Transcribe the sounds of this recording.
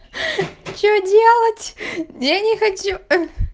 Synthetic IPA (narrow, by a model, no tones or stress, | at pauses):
t͡ɕodʲelˠətʲjanʲɪxɐt͡ɕu